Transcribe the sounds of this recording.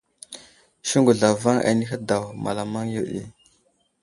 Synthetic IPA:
ʃi˦ŋɡu˨ɮa˨va˦ŋa̰˨˦ni˦xa˦da˨wma̰˨la˨ma˦ŋjo˨ɗḭ˦

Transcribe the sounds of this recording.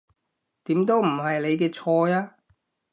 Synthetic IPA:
t̪iː˨˥mt̪o˥wm̩˨˩ɦɐ˨jle˨˧jkɛː˧t͡ʃʰɔː˧jaː˦˥

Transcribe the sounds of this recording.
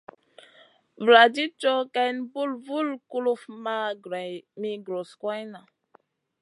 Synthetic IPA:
vla˨di˦t͡ʃo˦ka˦jnbu˦lvu˦lku˦lu˦fma˦ɡɾa˨mi˦ɡɾo˨skwa˦jna˨

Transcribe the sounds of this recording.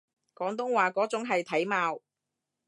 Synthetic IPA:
kɔː˨˥ŋt̪̬ʊ˥ŋwaː˨kɔː˨˥t͡sʊ˨˥ŋɦɐ˨jt̪ʰɐ˨˥jmaː˨˧w

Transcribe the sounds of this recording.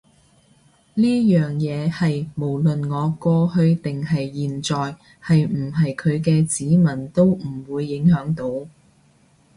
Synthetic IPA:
liː˥jœː˨˩ŋjɛː˨˧hɐ˨jmo˨˩wlɵ˨nŋɔː˨˧kɔː˧hɵ˧ɥt̪ɪ˨ŋɦɐ˨jːiː˨nt͡sɔː˨j | hɐ˨jm̩˨˩ɦɐ˨jkʰɵ˨˧ɥk̬ɛː˧t͡siː˨˥mɐ˨˩nt̪o˥wm̩˨˩wuː˨˧jːɪ˨˥ŋhœː˨˥ŋt̪o˨˧˥w

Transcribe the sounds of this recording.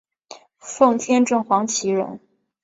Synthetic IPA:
fɤ˥˩ŋt̪ʰjɛ˥nʈ͡ʂɤ˥˩ŋxwɑ˧˥ŋt͡ɕʰi˧˥ɻə̰˧˥n

